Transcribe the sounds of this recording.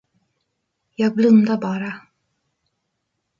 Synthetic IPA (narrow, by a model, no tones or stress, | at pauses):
jɑːɡ̚blɵnd̪abɑːɾa